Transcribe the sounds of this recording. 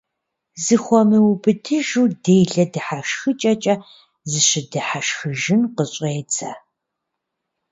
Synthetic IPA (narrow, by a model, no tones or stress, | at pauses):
zɨxʷɔmɨwbɨtʰɨʒuːdejɮɐdɨħaʃxɨt͡ʃʼɐt͡ʃʼɐ | zɨɕɪdɨħaʃxɨʒɪnqəɕʼeːt͡sʰɐ